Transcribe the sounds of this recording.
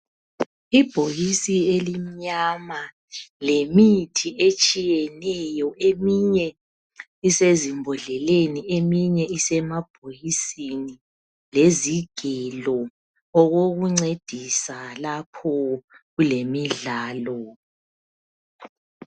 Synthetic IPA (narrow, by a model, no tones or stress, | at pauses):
ib̥ʱojisielimiɲama | lemitʰiet͡ʃʼijɛnɛjɔemiɲɛ | isezimbʱɔɮɛleniemiɲɛisɛmab̥ʱojisini | leziɡ̥ʱɛlɔ | ɔɣoɣuŋ͡ǀed̥ʱisalapʰɔɣulemiɮaːlɔ